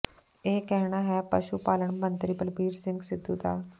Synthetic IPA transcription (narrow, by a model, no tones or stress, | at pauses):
ekɛɦɳ̃aɦɛpəʃupaːləɳmənt̪ɾipəlbiːɾsɪ̃ŋɡsɪd̪ʱut̪aː